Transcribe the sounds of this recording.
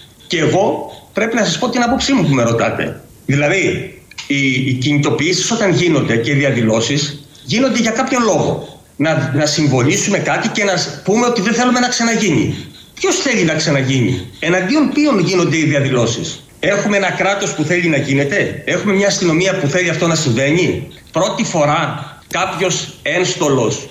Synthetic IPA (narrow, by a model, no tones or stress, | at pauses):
ce̞ːɣo̞pɾe̞pinɐsɐspo̞t̪inɐpo̞psimupume̞ɾo̞t̪ɐt̪ḛ | ðilɐði | iciɲit̪o̞piisi̥so̞t̪ɐnʝino̞nd̪e̞ce̞iðiɐðilo̞sis | ʝino̞nd̪e̞ʝɐkɐpço̞nlo̞ɣo̞̰ | nɐnɐsiɱvo̞nisume̞kɐt̪ice̞nɐpume̞o̞t̪iðeθe̞lume̞nɐksɐnɐʝiɲḭ | pço̞sθe̞ʎinɐksɐnɐʝiɲḭe̞nɐnd̪io̞npio̞nʝino̞nd̪e̞iðiɐðilo̞sḭs | e̞xumeenɐkɾɐt̪o̞spuθe̞linɐʝine̞t̪e̞e̞xume̞mɲɐːst̪ino̞miɐpuθe̞ʎiɐft̪o̞nɐsiɱve̞ɲi | pɾo̞t̪ifo̞ɾɐ | kɐpço̞se̞nst̪o̞lo̞s